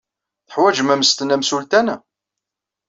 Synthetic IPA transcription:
θə̥ħwæd͡ʒəmæməst̪ənæmsult̪ænæ

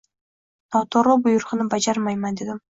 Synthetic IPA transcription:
nɒwt̪ʰɒɾlˠʊbʊjʊɾqɨnɪbad͡ʒaɾmajmand̪e̞d̪ɪm

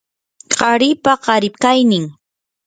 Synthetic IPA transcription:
ɢɑɾɪpaɢɑɾɪpkajnɪŋ

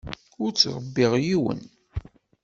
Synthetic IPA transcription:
ʊɾt͡sːɾˤəbːɪʁjiwə̰n

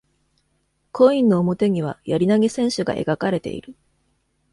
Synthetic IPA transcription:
kʰo̞ĩnːo̞ːmo̞t̪e̞ɲ̟iβ̞ajaɾʲinaɡʲisẽ̞ɰ̃ɕɨɡa̰ʔe̞̰ɡakaɾe̞t̪e̞̰ḭɾɯ

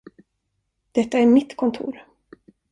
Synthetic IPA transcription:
d̪̥ɛt̪ːaæɾmɪt̪ːkʰɔnt̪ʰṵːɾ

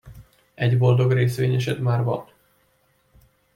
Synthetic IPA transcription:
ɛɟbo̞ld̪o̞ɡreːsʋeːɲɛʃ̬ɛt̪maːrbɒ̰t̪

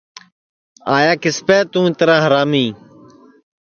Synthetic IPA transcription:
aːjaːkɪspeːt̪ũːɪt̪əɾãːɦəɾaːmĩː

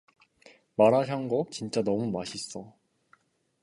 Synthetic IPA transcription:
maɾaɕ̬ʰjʌŋɡot͡ɕint͡ɕ͈anʌmumaɕʰis͈ʌ

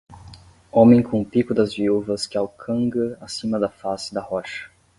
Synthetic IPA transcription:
õmẽj̃kõũpikʊd̪ɐzviuvɐskɪawkʰɐ̃ɡɐasĩmɐd̪ɐfasɪd̪ɐhɔʃɐ̥

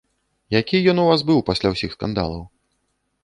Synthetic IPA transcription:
jakʲijɔnuvasbɨwpasʲlʲawsʲixska̰nd̪a̰lˠɐw

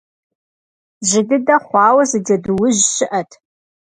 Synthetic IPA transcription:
ʑɪdɨdɐχʷɑːwɐzɨdɐdɨwʊʑɕɪʔɐtʰ

